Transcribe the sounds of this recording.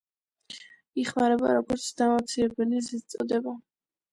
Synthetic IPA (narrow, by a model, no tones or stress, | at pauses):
iχmaɾɛba̰ɾɔɡɔɾt̪sʰd̪amat̪sʰiɾɛbɛlizist̪sʼɔd̪ɛba